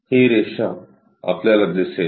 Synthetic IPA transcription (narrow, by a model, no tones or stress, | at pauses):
hiːɾeːʃa | ɐ̰pljalɐɡ̚d̪eːse